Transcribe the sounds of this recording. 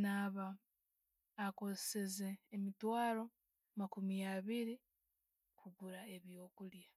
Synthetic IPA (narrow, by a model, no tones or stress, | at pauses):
naːβa | kozesezeːmitwaːɾo̞ | makumijaβiɾi | kuβuɾae̞βjo̞ːkulja